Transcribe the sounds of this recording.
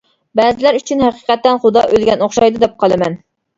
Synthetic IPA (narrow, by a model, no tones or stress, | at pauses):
bɛːzɪlæɾyt͡ʃʰynhæqiqɛt̪ːɛnχʊd̪ɑʔølɡʲɛnoχʃɑjd̪ɨd̪ɛp̚qʰɑlˠɨmɛn